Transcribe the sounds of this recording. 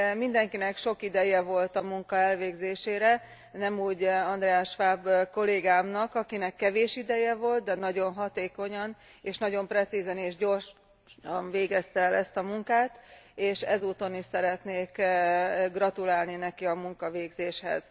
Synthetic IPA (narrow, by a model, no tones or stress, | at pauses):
mind̪ɛŋkinɛkʃo̞kid̪ɛjɛvo̞lt̪ɒmuŋkɒɛlveːɡzeːʃeːɾɛ | nɛmuːɟɒnd̪ɾɛaːʃʋaːbko̞leːɡaːmnɒkɒkinɛkːɛveːʃid̪ɛjɛvo̞lt̪̚d̪ɛnɒɟo̞nɦɒt̪eːko̞ɲɒn | eːʃnɒɟo̞mprɛt̪sizɛneːʒɟo̞rʃ | ɒnveːɡɛst̪ɛːlɛst̪ɒmuŋkaːt̪eːʃɛzuːt̪o̞niʃsɛɾɛt̪neːk | ɡrɒt̪ulaːlninɛkiɒmuŋkɒveːɡzeːʃhɛ̰z̥